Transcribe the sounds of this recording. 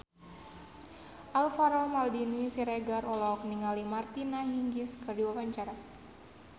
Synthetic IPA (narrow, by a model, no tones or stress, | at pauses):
ʔalfaɾɔmaldinisiɾeɡaɾɔlɔk̚niŋalimart̪inaɦiŋɡiskɨrdiwawaɲt͡ʃaɾa